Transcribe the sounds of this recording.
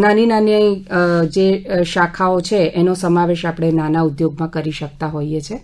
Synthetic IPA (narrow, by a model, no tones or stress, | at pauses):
naninanjaĩd͡ʒeʃakʰaot͡ʃʰeenosəmaʋeʃapɽ̃enanaud̪joɡmãkəɾiʃək̚t̪aɦoiet͡ʃʰe